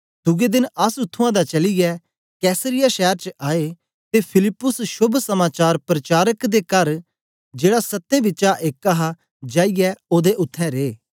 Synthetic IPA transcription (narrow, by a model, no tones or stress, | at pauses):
d̪ʊɡed̪ɪnɐsʊt̪ʰːʊ̃ãd̪at͡ʃɐlɪjɛ | kɛːsəɾɪjaʃɛːəɾt͡ʃʔaːe | t̪epʰɪlɪpːʊsʃʊbʱsɐmaːt͡ʃaːɾpɾɐt͡ʃaːɾəkd̪ekɐɾ | d͡ʒeːɽasɐt̪ːẽbɪt͡ʃaʔeːkːaɦa | d͡ʒaːijɛoːd̪eʔʊt̪ʰːɛ̃ɾeː